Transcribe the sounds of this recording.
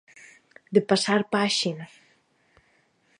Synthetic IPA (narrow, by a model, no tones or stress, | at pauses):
d̪epasaɾpaʃina